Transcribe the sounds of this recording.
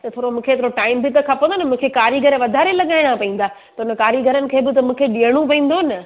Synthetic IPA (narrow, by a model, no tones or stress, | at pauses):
t̪ɐt̪ʰoːɾomũːkʰet̪ʰoɾoʈaːɪmbɪt̪ɐkʰãpɐ̃nd̪onmũːkʰekaːɾiɡʱɐɾeʋɐd̪ʱaːɾelɐɠaːɪɽ̃apɐĩːn̆d̪aː | t̪ɐʊnəkaːɾiɡʱɐɾənɪ̆kʰeːbɪt̪ɐmũːkʰeɗiːəɽ̃ũpɐĩːnd̪onɐ